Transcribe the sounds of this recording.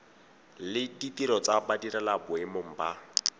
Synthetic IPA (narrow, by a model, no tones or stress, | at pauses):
lɪditiɾɔt͡sabadiɾalabʊɪmʊŋ̩ba